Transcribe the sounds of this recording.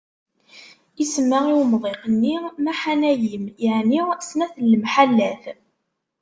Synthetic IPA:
isəmːəʁiwmðˤeqənːimæħanæjimjəʕnisnæθəlːmħalːæθ

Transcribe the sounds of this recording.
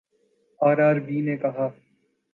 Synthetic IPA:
aːɾaːɾbiːneːkɐɦaː

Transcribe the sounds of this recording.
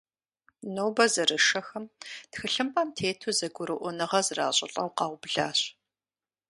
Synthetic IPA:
noːbɐzɐrɨʂɐxɐmtxɨɬɨmpʼɐmtʰeːtʰuzɐɡʷʊɾɨʔʷʊnɨʁɐzra̰ːɕʼɪ̰ɬʼɐwqɑːwʷbɮaːɕ

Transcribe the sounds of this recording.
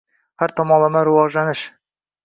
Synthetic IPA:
haɾt̪ʰɒmɒlˠamaɾɪvɒʒlanɪʃ

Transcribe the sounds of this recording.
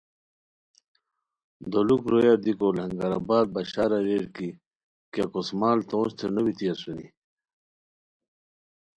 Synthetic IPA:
d̪olukɾojaɾd̪ikolhɐŋɡɐɾa̰baːd̪̚baɕaːɾaɾeɽki | kakosmaːlt̪õːnst̪ʰenɐwit̪iasunḭ

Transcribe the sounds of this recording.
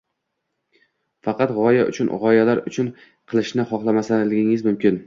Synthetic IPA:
fɑqɑt̪ʁɒja̰ʔʊ̰t͡ʃʰʊnʁɒjalaɾʊ̰t͡ʃʰʊn | qʰɨlˠɪʃnɪχɒχlˠamasalɪɡʲɪŋɪzmʊmkʲɪn

